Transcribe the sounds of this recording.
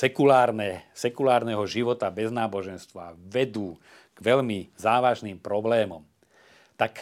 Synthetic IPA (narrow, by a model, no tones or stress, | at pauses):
sɛkulaːɾnɛsɛkulaːɾnɛɦɔʒiʋɔt̪abɛznaːbɔʒɛnst̪ʋa̰ʋɛd̪uː | ɡ̥ʋɛlmizaːʋaʒniːmpɾɔblɛːmɔm | t̪ak